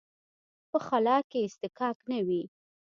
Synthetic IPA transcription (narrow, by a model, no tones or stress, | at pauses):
pəxalɑkeɪst̪ɪkɑknawi